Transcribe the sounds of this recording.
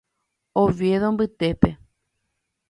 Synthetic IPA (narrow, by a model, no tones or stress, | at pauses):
oʋjeðombɨt̪e̞pe